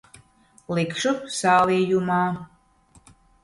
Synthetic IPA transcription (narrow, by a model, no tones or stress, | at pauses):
lˠikʂusaːliːjumɑː